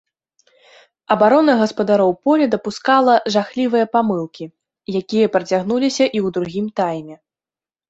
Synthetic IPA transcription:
ɐbaɾɔnɐɣɐspɐd̪aɾɔwpɔlʲɛd̪ɐpuskalˠɐʐaxlʲivɨjɐpamɨlˠkʲi | jakʲijɐpɾɐt͡sʲaɣnulʲisʲɐʔiwd̪ɾuɣʲimt̪ajmʲɛ

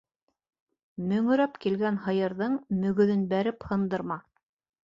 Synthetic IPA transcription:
mɵ̆ŋɵ̆ɾæpkilɡænɦɤ̆jɤ̆ɾðɤɴmɵ̆ɡɵ̆ðɵnbæɾɘphɤ̆nd̪ɤɾmɑ

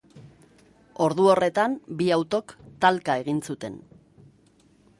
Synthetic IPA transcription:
o̞ɾðuo̞re̞t̪ambiawt̪o̞kt̪alkae̞ɣinsut̪e̞̰n

